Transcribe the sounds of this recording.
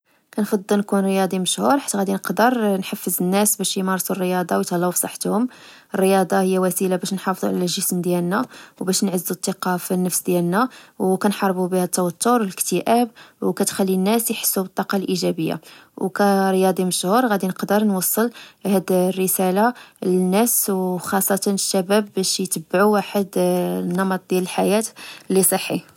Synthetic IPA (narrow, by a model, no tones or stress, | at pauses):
kænfɑd̪ˤːəlnkunɾjɑd̪ˤiməʃhuɾˤħḁt̪ːæɣæd̪inəqd̪əɾnħafːəzənːæsbæʃjmɑɾˤsurːəjɑd̪ˤɑwjt̪ɑlːɑufsˤɑħːt̪hʊm | ərːəjɑd̪ˤɑhəjːæwæsilabæʃnħɑfd̪ˤuʕalæʒəsmd̪jælnæwbæʃnʕəzːut̪ˤːɑqɑfnːəfsd̪jælnæwkænħɑɾˤbubihæd̪ət̪ːæwæt̪ːʊɾwələkt̪əʔæbwkæt̪xælːinːæsjħə̥sːubət̪ˤːɑqɑlʔiʒæbəjːa̰wkæɾəjɑd̪ˤiməʃhuɾˤɣæd̪inəqd̪əɾnwɑsˤːəlhæd̪rːəsælalənːæswxɑsˤːɑt̪ɑnəʃːæbæbːæʃjt̪əbːʕuwaħəd̪nːɑmɑt̪̚ˤd̪jæləlħajæt̪lːisˤəħːi